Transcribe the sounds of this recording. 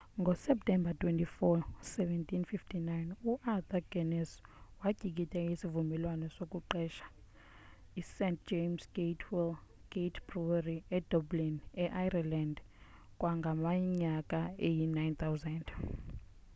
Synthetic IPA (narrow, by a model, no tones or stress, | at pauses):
ŋɡʱɔsɛp̚tʰʼɛmbatʰʼwɛntʼifɔsɛvɛntʰʼinfiftʰinajnuʔat̪aɡɛnɛswaɡ̥ʱik̬ʼitʼɛisivumɛlwanɔsokʼuǃɛʃḁ | isɛnt̚ʰd͡ʒemsɡetʰwil | ɡ̥etʰbruariɛd̥ɔblinɛʔajraland | kʼwaŋɡʱamaɲakʼaejinajnt̪ʰawzɛnd